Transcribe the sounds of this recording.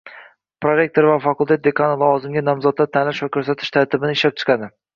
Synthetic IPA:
pɾoɾe̞k̚t̪oɾvafakʊlˠt̪et̪̚d̪e̞kʰanɪlˠɒvɒzɪmɡʲanɒmzɒt̪lːat̪ʰanlaʃvakʰʲɵɾsat̪ʰɪ̥ʃt̪ʰaɾt̪ʰɪbɪnɪɪʃlap̚t͡ʃʰɨ̥qʰɑd̪ɪ

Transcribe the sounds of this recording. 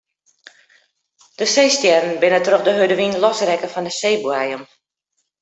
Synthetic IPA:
d̥əseːstjɛrn̩bɪnətrøχdəɦødəʋinlɔsrɛkəfɔndəseːbuajəm

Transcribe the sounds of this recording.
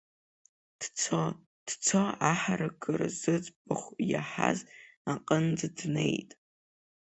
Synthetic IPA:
d̥t͡sʰo | d̥t͡sʰoaħaɾɨɡʼɨrz̥ɨd͡zbɨχʷjaħa̰zaqʼənd͡zɨdnejtʼ

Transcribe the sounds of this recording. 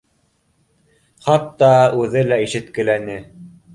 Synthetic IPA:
χɑt̪ːɑʉðɘlæiʃɘ̆t̪kɘ̆lænɘ

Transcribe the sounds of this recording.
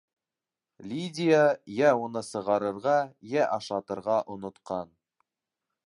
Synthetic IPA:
lʲidʲɪjajæunɤsɤ̆ʁɑɾɤ̆ɾʁɑjæʔɑʃˠɑt̪ɤ̆ɾʁɑʔŏnŏt̪qɑn

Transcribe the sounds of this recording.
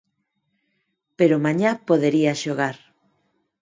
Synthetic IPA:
peɾomaɲapoðeɾiaʃoɣaɾ

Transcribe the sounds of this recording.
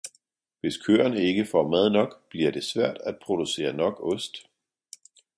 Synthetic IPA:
ʋe̝skʰø̰ːɐnəe̝ɡ̥əfɒmæð̞ˠnɒ̽ɡ̥b̥liɐd̥e̝sʋæɐ̰d̥æd̥̚pʰʁo̝d̥use̝̰ːɐnɒ̽ɡ̥ɔ̽sd̥

